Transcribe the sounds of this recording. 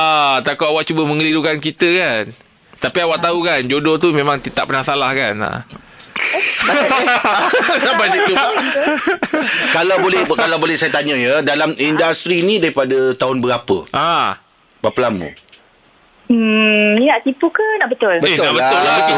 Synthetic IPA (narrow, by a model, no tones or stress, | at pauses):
at̪akuʔawaʔt͡ʃubəməŋəlidukankit̪əkan | t̪apiawaʔt̪aukand͡ʒodɔt̪umẽmãŋt̪it̪aʔpənasalahkana̰ | abasit̪u | kalawbolɛhkalawbolɛhsajat̪aɲə̃jədalamindast̪ɾiːnĩdaɾipadat̪aɦʊnbəɾapə̰ʔa | baplamṵ̃ | ninaʔt̪ipukənaʔbət̪ʊlbəenaʔbəʊla